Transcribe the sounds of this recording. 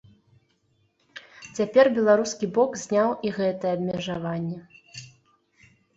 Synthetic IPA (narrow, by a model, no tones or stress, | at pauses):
t͡sʲapʲɛrbʲɛlˠaɾuskʲibɔkzʲnʲawʔiɣɛt̪ɐjɛɐbmʲɛʐavanʲːɛ